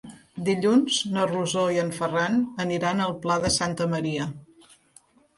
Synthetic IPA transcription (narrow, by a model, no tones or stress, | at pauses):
d̪iʎunznəruzoiəɱfəranəniɾanəlˠplaðəsant̪əməɾiə